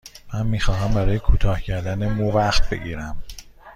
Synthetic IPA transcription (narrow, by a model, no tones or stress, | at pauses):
mænmiːxɒːɦæmbæɾɒːje̞kʰuːt̪ʰɒːhcʰæɾd̪ænemuvæxt̪̚be̞̰ɟiːɾæm